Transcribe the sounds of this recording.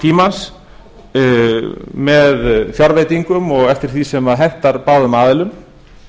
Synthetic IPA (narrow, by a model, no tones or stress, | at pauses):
t̪ʰiːmans | mɛðθjɔɾvejt̪iŋkʏmɔɣɛft̪ɪɾ̥θisɛmaðɦɛn̥t̪aɾpaːwðʏmaːðɪlʏm